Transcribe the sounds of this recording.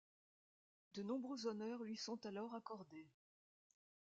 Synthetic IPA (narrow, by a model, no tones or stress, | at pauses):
d̪ənɔ̃bʁøzɔnœʁlɥisɔ̃t̪alɔʁakɔʁd̪e